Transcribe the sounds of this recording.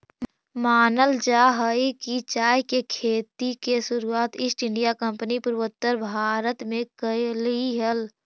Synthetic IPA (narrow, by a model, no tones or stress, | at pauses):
maːnəld͡ʒaːɦəikit͡ʃaːjkekʰeːt̪ikesʊɾuaːt̪ɪsʈɪ̃ɳɖijakə̃mpnipʊɾwət̪ːəɾbʱaːɾət̪mẽkəliɦəl